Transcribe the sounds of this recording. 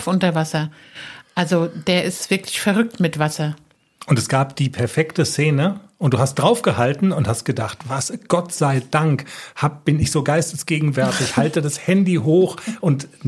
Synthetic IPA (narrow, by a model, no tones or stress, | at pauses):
fʔʊntɐvasɐ | ʔalzod̥eːɐʔɪstv̥ɪɐkʰlɪ̥çfɛɐʁʏk̚tmɪtv̥asɐ | ʔʊntɛsɡ̥aːpd̥iːpʰɛɐfɛktəseːnəʔʊntd̥uːhast̚d̥ʁaʊfɡ̥əhaltn̩ʊnthast̚ɡ̥ədaχtv̥asɡ̥ɔtz̥aɪdaŋkhaːp̚b̥ɪnɪçz̥oːɡaɪstəsɡ̥eːɡŋ̩vɛɐtɪçhaltədashɛndiɦoːxʔʊnt